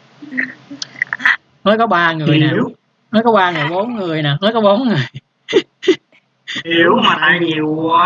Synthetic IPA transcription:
nɔ˨˦jkɔ˨˦ɓaː˧ŋɨ˨˩əjnaː˩˨˩w | nɔ˨˦jkɔ˨˦ɓaː˧ŋɨ˨˩əjɓo˨˦nŋɨ˨˩əjnaː˨˩nɔ˨˦jkɔ˨˦ɓo˨˦nŋɨ˨˩əj | i˨˧˦wmaː˨˩naː˧jɲi˨˩əw

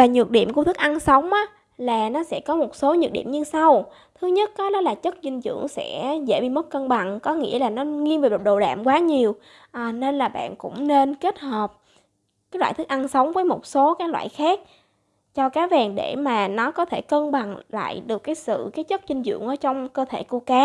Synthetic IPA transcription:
aː˨˩ɲɨ˨˩ət̚ɗḭ˧˨əmku˧ət̪ʰɨ˦˥k̚ʔa˧nsə˨˦wŋ͡mʔaː˨˦ | laː˨˩nɔ˨˦sɛ̰˧˥kɔ˨˦mo˨˩t̚so˨˦ɲɨ˨˩t̚ɗḭ˧˨əmɲɨ˧sa˧w | t̪ʰɨ˨˦ɲə˦˥t̚kɔ˨˦ɗɔ˨˦laː˨˩t͡ɕə˦˥t̚zï˧ŋ̟zɨ̰˧˨əŋsɛ̰˧˥zḛ˧˩ɓi˧mə˦˥t̚kə˧nɓa˨˩ŋkɔ˨˦ŋḭ˧˥əlaː˨˩nɔ˨˦ŋi˧ənveː˨˩˨ɗo˨˩ɗa̰ː˧˨mkwaː˨˦ɲi˨˩əw | ʔaː˨˩ne˧nlaː˨˩ɓa̰ː˧˨nkʊ̰˧˥ŋ͡mne˧nke˦˥t̚həː˨˩p̚ | kaː˨˦jlwa̰ː˧˨jt̪ʰɨ˦˥k̚ʔa˧nsə˨˦wŋ͡mvəː˨˦jmo˨˩t̚so˨˦kaː˨˦j̚lwa̰ː˧˨jxaː˦˥k̚ | t͡ɕɔ˧kaː˨˦vaː˨˩ŋɗe˧˩maː˨˩nɔ˨˦kɔ˨˦t̪ʰe˧˩kə˧nɓa˨˩ŋla̰ː˧˨jɗɨ˨˩əkːaː˨˦jsɨ̰˧˨kaː˨˦jt͡ɕə˦˥t̚zi˧ŋ̟zɨ̰˧˨əŋʔəː˧˦t͡ɕɔ˧wŋ͡mkəː˧t̪ʰe˧˩ku˧˩əkaː˨˦

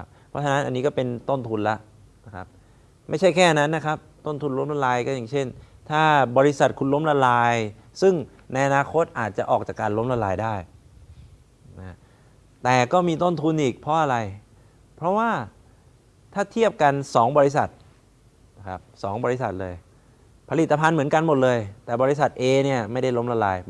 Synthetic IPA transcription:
a˦p̚pʰɾɔ˦˥t͡ɕʰa˧na˦˥nʔa˧nːiː˦˥kɔː˥˩pe˧nt̪o˥˩nt̪ʰu˧nla˦˥ʔ | na˦˥kʰa˦˥p̚ | ma˥˩jt͡ɕʰa˥˩jkʰɛː˥˩a˧na˦˥nːa˦˥kʰa˦˥p̚t̪o˥˩nt̪ʰu˧nlo˦˥mla˧laː˧jkɔː˥˩jaː˨˩ŋt͡ɕʰe˥˩n | t̪ʰaː˥˩bɔː˧ɾi˦˥sa˨˩t̪̚kʰu˧nlo˦˥mla˧laː˧j | sɯ˥˩ŋ | na˧jʔa˧naː˧kʰo˦˥t̪̚ʔaː˨˩t̪̚t͡ɕa˨˩ʔɔː˨˩k̚t͡ɕaː˨˩kːaː˧nlo˦˥mla˧laː˧jdaː˥˩j | na˦˥ | t̪ɛː˨˩kɔː˥˩miː˧t̪o˥˩nt̪ʰu˧nʔiː˨˩k̚pʰɾɔ˦˥ʔa˧ɾa˧j | pʰɾɔ˦˥waː˥˩ | t̪ʰaː˥˩t̪ʰi˥˩əp̚ka˧nsɔː˩˦ŋbɔː˧i˦˥sa˨˩t̪̚ | kʰa˦˥p̚sɔː˩˦ŋbɔː˧ɾi˦˥sa̰˨˩t̪̚lɤː˧j | pʰa˧li˨˩t̪ːa˧pʰa˧nmɯ˩˦nka˧nmo˨˩t̪̚lɤː˧jt̪ɛː˨˩bɔː˧ɾi˦˥sa˨˩t̪̚ʔeː˧ni˥˩ɐma˥˩jda˥˩jlo˦˥mla˧laː˧j

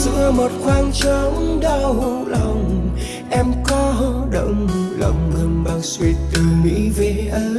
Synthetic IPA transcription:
zɨ̰˧˥əmo˨˩t̚xwaː˧ŋt͡ɕə˧˦ŋ͡mɗa˧˩wɦu˧˥lə˨˩wŋ͡m | ʔɛ˧mkɔ˨˦ɦə˧˦ɗə̰˧˨wŋ͡mmu˧˩lə̰˧˨wŋ͡mmɨ˨˩ŋɓaː˨˩wswi˨˩t̪ɨ˨˩mḭ˧˥ve˨˩ʔə˧˦

